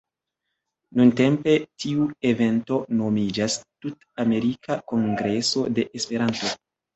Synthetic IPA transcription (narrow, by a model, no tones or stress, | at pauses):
nunte̞mpe̞tiue̞ve̞nto̞no̞mid͡ʒastut | ame̞ɾikʰako̞ŋɡɾe̞so̞de̞ʔespe̞ɾanto̞